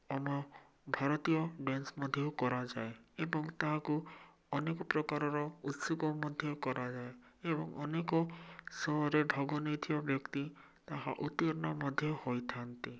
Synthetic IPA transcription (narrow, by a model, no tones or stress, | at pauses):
ɔmɔ | bʱaɾɔt̪ijɔbensmɔd̪ʱjɔukɔɾad͡ʒaeebɔŋt̪aɦaku | ɔnekɔpɾɔkaɾɔɾɔut̪sukɔmɔd̪ʱjɔkɔɾad͡ʒaeebɔŋɔ̰nekɔsɔɦɔɾeɖʱɔɡɔnit̪ʰijɔbjɔkt̪i | t̪aɦa̰ʔut̪iɔɾɔnamɔd̪ʱjɔhojt̪ʰant̪i